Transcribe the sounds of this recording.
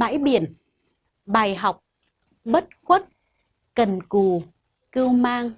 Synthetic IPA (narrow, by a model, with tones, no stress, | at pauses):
ɓa̰ː˧˥jɓi˧˩˨ən | ɓaː˨˩jɦa˨˩wk͡p̚ | ɓə˦˥t̚xwə˦˥t̚ | kə˨˩nku˨˩ | kɨ˧wmaː˧ŋ